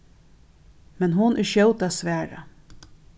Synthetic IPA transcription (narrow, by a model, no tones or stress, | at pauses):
mɛnɦʊnʔɪʃjœwt̪asʋæːɹa̰